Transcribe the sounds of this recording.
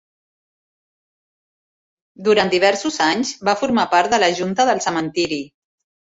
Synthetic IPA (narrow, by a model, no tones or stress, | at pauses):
d̪uɾant̪d̪iβ̞ɛɾsuzaɲzbafuɾmapaɾt̪̚d̪ələʒunt̪əðəlˠsəmənt̪iɾi